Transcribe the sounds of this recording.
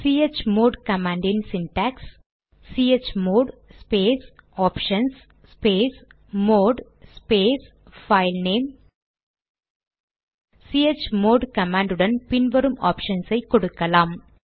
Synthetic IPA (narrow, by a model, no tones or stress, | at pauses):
siːet͡ʃmoːɖkɐmaːɳɖɪnsɪnʈaːks | siːet͡ʃːmoːɖspeːsaːpʂɐnsː | peːs | moːɖ | speːs | fɐɪlneːm | siːet͡ʃːmoːɖkɐmaːɳɖɯɽɐnpɪnʋɐɾɯmaːpʂɐnsɐɪkɔɽɯkːɐlaːm